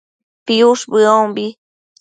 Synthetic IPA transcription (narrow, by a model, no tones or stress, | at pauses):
piusbɨombi